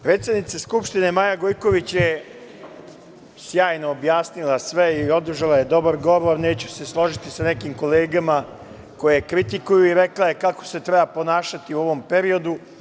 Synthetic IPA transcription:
pɾe̞ːt̪sed̪nit̪seskupʃt̪ine̞maːjaɡojko̞ʋit͡ɕje | sjaːjnoːbjaːsnilˠasʋe̞io̞d̪ɾ̩ʒalajed̪o̞baɾɡo̞ʋoɾne̞ːt͡ɕu̥se̞slˠo̞ʒit̪isane̞kiːmko̞leːɡama | ko̞jekɾit̪ikujuiɾe̞klaje̞kako̥se̞t̪ɾe̞bapo̞naːʃat̪iuo̞ʋo̞mpe̞ɾio̞d̪u

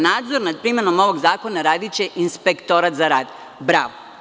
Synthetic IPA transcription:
naːd̪zo̞ɾnad̪̚pɾimeno̞mo̞ʋo̞ɡzaːko̞naɾaːd̪it͡ɕe̞ʔinspe̞kt̪o̞ɾat̪zaɾaːd̪ | bɾaːʋo

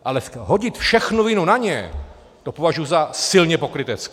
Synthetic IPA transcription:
ʔalɛɦo̞ɟɪt̪fʃɛxnuvɪnunaɲɛ | t̪o̞po̞vaʒujuzasɪlɲɛpo̞kɾɪt̪ɛt͡sk

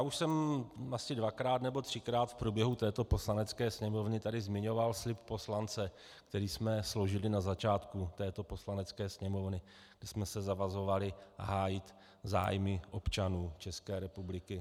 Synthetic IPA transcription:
jaːuʃsɛmʔasɪdvakɾaːt̪nɛbo̞t̪r̝̥ɪkɾaːt̪fpɾubjɛɦut̪ɛːt̪o̞po̞slanɛt͡skɛːsɲɛmo̞vnɪt̪adɪzmɪɲo̞valslɪp̚po̞slant͡sɛ | kt̪ɛɾiːsmɛsloʒɪlɪnazat͡ʃaːt̪kut̪ɛːt̪o̞po̞slanɛt͡skɛːsɲɛmo̞vnɪ | ɡdɛsmɛsɛzavazo̞valɪʔa̰ɦaːjɪt̪ | za̰ːjmɪʔo̞pt͡ʃanuːt͡ʃɛskɛːɾɛpublɪkɪ

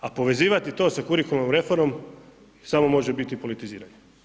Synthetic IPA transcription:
apo̞ʋe̞ziːʋat̪it̪o̞ːsakuɾikulnomɾe̞fo̞ɾmo̞m | samo̞mo̞ʒebit̪ipo̞lit̪iziːɾaɲe

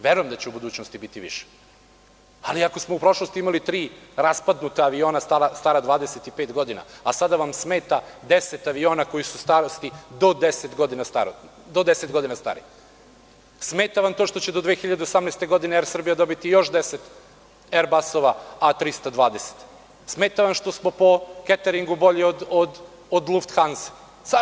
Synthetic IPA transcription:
ʋeɾujemd̪at͡ɕeubud̪uːt͡ɕnost̪ibit̪iʋḭʃe̥ | aliakosmoupɾo̞ʃlˠo̞st̪iimalit̪ɾiːɾaspad̪nut̪aːʋio̞ːnast̪aɾast̪aːɾad̪ʋaːd̪eset̪ipeːt̪ɡo̞d̪ina̰asad̪aʋamsmeːt̪ad̪eset̪aʋio̞ːnako̞jisust̪aɾost̪id̪o̞d̪eset̪ɡo̞d̪inast̪a̰ɾod̪o̞d̪eset̪ɡo̞d̪inast̪a̰ɾḭ | smeːt̪aʋamt̪o̞ːʃt̪o̞t͡ɕed̪od̪ʋeːxiʎad̪eosamneːst̪eɡo̞d̪ineeɾsr̩bijad̪o̞bit̪ijo̞ʃd̪e̞set̪ | eɾbaso̞ʋaat̪ɾist̪ad̪ʋaːd̪ese̥t̪ | smeːt̪aʋamʃt̪o̞smo̞po̞ket̪eɾiŋɡubo̞ʎiod̪od̪ | od̪lˠuft̪xansa | s

